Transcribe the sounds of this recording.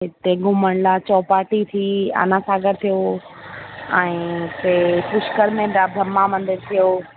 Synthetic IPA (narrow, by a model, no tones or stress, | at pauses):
ɦɪt̪eɡʱʊməɽ̃lat͡ɕɔːpaːʈit̪ʰia̰ːnãsaːɡəɾt̪ʰijo | ɛ̃ːt̪epʊʃkəɾmẽɖabʱɾɐmːamɐ̃nd̪ɪɾt̪ʰijoː